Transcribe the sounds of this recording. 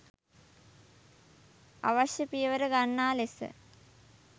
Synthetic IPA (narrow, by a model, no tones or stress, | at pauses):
a̰ʋaʃjəpijəʋəɾəɡanːaːlesə̰